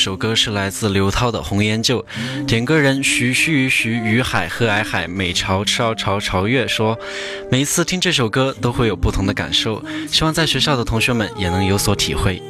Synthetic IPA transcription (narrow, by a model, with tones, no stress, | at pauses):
ʂo˨˩ʊkɤ˥ʂɻ̩˥˩la˧˥ɪt͡sɹ̩˥˩ljo˧˥ʊt̪ʰɑ˥ʊd̪ə̰˨xʊ˧˥ŋjɛ˧˥nt͡ɕjo˥˩ʊt̪jɛ˨˩nkɤ˥ɻə˧˥nɕy˧˥ɕy˥˧˥ɕy˧˥y˧˥xa˨˩ɪxɤ˧˥a˧˥ɪxa˨˩ɪme˨˩ɪʈ͡ʂʰɑ˧˥ʊʈ͡ʂʰʊʈ͡ʂʰɑ˧˥ʊʈ͡ʂʰɑ˧˥ʊɥɛ˥˩ʂwɔ˥ | me˨˩ɪ˧˥t͡sʰɹ̩˥˩t̪ʰi˥ŋʈ͡ʂɤ˥˩ʂ̬o˨˩ʊkɤ˥t̪o˥ʊxwe˥˩ɪjo˨˩ʊpu˥˩t̪ʰʊ˧˥ŋd̪ə˧ka̰˨˩nʂo˥˩ʊɕi˥wɑ˥˧ŋt͡sa˥˩ɪɕɥɛ˧˥ɕjɑ˥˩ʊd̪ə˩t̪ʰʊ˧˥ŋɕɥɛ˧˥mə̰˨njɛ˨˩nɤ˧˥ŋjo˧˥ʊswɔ˧˥t̪ʰḭ˨˩xwe˥˩ɪ